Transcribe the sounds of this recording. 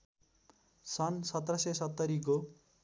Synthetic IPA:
sʌnsʌt̪rʌsesʌt̪ːʌɾiko

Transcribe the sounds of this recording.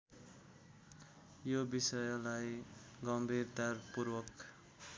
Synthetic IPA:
jobisʌjlajɡʌmbʱird̪arpurwʌk

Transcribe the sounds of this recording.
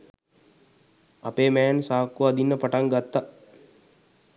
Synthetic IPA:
apeːmɛːnsaːkːuaːd̪inːəpaʈaŋɡat̪ːa

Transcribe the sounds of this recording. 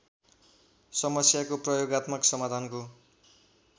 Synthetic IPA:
sʌmʌsjakoprʌjoɡat̪mʌksʌmad̪ʱanko

